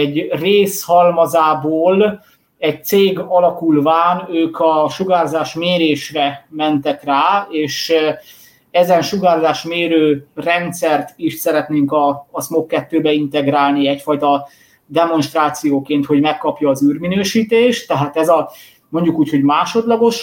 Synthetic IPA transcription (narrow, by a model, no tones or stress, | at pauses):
ɛɟreːshɒlmɒzaːboːl | ɛc̚t̪seːɡɒlɒkulvaːnøːkɒʃuɡaːrzaːʃmeːɾeːʃrɛmɛnt̪ɛkraːeːʃ | ɛzɛnʃuɡaːrzaːʃmeːɾøːrɛnt̪sɛrt̪iʃsɛɾɛt̪neːŋkɒːsmokːɛt̪ːøːbɛint̪ɛɡɾaːlniɛcfɒjt̪ɒ | d̪ɛmo̞nʃt̪raːt̪sijoːkeːnt̪ho̞ɟmɛkːɒpjɒːzyːrminøːʃiːt̪eːʃt̪ːɛɦaːt̪ɛzɒ | mo̞ɲɟukuːcho̞ɟmaːʃo̞d̪lɒɡo̞ʃ